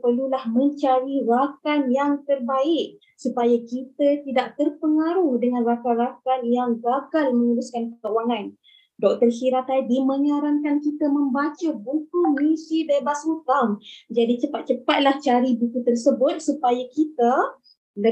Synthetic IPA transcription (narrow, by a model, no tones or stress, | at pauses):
pərlulahmə̃ɲt͡ʃaɾirakanjaŋt̪ərbaɪʔ̚ | supajakit̪ət̪idaʔt̪ərpəŋaɾʊhdəŋanrakanrakanjaŋɡakalmə̃ɲəɾuskankəkəuwaŋan | dɔk̚t̪ərsiɾat̪adiməŋaɾaŋkankit̪əməmbat͡ʃəbukumisidebasut̪aŋd͡ʒadit͡ʃəpat̪̚t͡ʃəpat̪̚laht͡ʃaɾibukut̪ərsəbʊt̪̚supajakit̪a | lə